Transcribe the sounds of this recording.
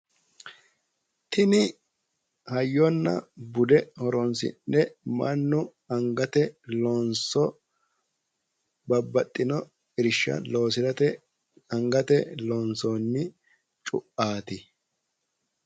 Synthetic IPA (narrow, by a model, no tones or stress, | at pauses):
t̪ʰɪnɪ | hɐjːɔnːɐ̰bʊd̪ɛhɔɾɔnsɪ̰nːɛmɐnːʊ | ɐŋɡɐt̪ɛlɔnsɔ | bɐbːɐt̪ʼːɪnɔ | ɪɾɪʃːɐ̰lo̞ːsɪɾɐt̪ɛ | ɐŋɡɐt̪ɛlɔːnsonːɪ | t͡ʃʼʊ̰ʔaːt̪ɪ